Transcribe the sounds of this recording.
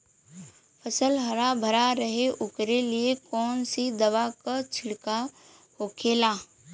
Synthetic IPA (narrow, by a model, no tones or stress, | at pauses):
pʰəsəlɦəɾabʱəɾaɾəɦeʔʊkɾeliekɔːnsid̪əʋakat͡ʃʰɪɽka | hokʰeːlaː